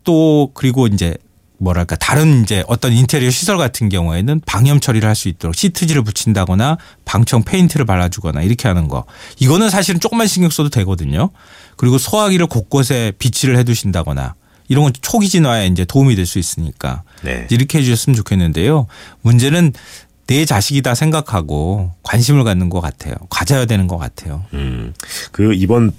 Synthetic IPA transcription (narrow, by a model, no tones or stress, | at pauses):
t͈okɯɾiɡoind͡ʑe̞ | mwʌɾaɭk͈ataɾɯnind͡ʑe̞ʔʌt͈ʌnintʰeɾioɕʰisʰʌɭɡatʰɯnɡjʌŋue̞nɯnpaŋjʌmt͡ɕʰʌɾiɾɯɭhaɭs͈uit̚t͈ʌɾok̚ɕ͈ʰitʰɯd͡ʑiɾɯɭp̬ut͡ɕʰindaɡʌna | paŋt͡ɕʰʌŋpʰe̞intʰɯɾɯɭpaɾːad͡ʑuɡʌna̰iɾʌkʰe̞ɦanɯnɡʌ̰iɡʌnɯnsʰaɕʰiɾɯnt͡ɕ͈ok͈ɯmːanɕʰiŋɡjʌk̚s͈ododwe̞ɡʌdɯɲo | kɯɾiɡosʰoɦaɡiɾɯɭkok̚k͈osʰe̞pit͡ɕʰiɾɯɭhe̞d͡ʑuɕʰindaɡʌna̰ | iɾʌŋɡʌt͡ɕʰoɡid͡ʑinwajeind͡ʑe̞toumidwe̞ɭs͈uis͈ɯɲik͈a̰nḛiɾɯkʰeɦed͡ʑuɕʌs͈ɯmɯnt͡ɕokʰe̞nːɯnde̞jomund͡ʑe̞nɯnː | e̞t͡ɕaɕʰiɡidasʰe̞ŋɡakʰaɡokwanɕʰimɯɭkanːɯnɡʌk͈a̰tʰe̞̰jo̰kwad͡ʑajadwe̞nɯnɡʌk͈a̰tʰe̞jo | kɯibʌn